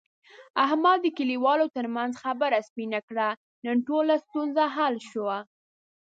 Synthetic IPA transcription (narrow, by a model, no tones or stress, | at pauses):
aɦmɑd̪əkəliwɑlot̪əɾmanzxabaɾaspinakɽa | nənʈolast̪unzaɦalʃəwa